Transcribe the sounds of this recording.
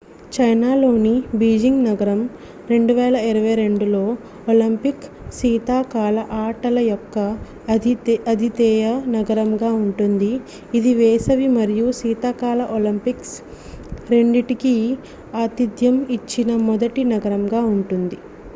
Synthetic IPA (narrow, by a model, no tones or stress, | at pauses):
t͡ʃɐjnaːlo̞ːnibiːd͡ʒiŋɡnɐɡɐɾɐm | ɾe̞ɳɖuʋɛːlɐiɾɐʋɐjɾe̞ɳɖulo̞ː | olimpik | siːt̪aːkaːlɐʔaːʈɐlɐjɔkːɐ | ɐd̪ʱit̪ɛːjɐnɐɡɐɾɐmɡaːuɳʈund̪iː | d̪iʋɛːsɐʋimɐɾijusiːt̪aːkaːlɐʔolɐmpiks | ɾe̞ɳɖiʈiki | aːt̪id̪jɐmit͡ʃːinɐmɔd̪ɐʈinɐɡɐɾɐmɡaːuɳʈund̪i